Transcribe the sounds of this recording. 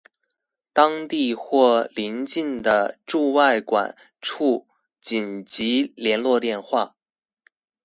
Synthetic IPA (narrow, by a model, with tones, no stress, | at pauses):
t̪ɑ˥ŋt̪i˥˧xwɔ˥˩li˧˥nt͡ɕi˥˩nd̪ə˩ʈ͡ʂu˥˧wa˥˩ɪkwa̰˨˩˦n | ʈ͡ʂʰu˥˩ | t͡ɕi˨˩nt͡ɕi˧˥ljɛ˧˥nlwɔ˥˧t̪jɛ˥˧nxwa˥˩